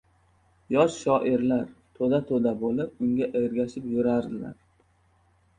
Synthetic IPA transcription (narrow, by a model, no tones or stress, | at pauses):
jɒʃʃɒʔɪɾlaɾt̪ʰod̪at̪ʰod̪abolɪp̚ʊŋɡʲaʔeɾɡʲaʃɪpjʊɾaɾd̪ɪla̰ɾ